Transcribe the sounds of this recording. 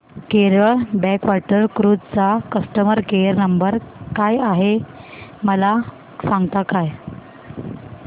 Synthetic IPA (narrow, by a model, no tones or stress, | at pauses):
keɾəɭbɛkʋaʈəɾkɾud͡zt͡sakəsʈəməɾkeəɾnəmbəɾkajaɦe | məla | sãŋɡt̪akaj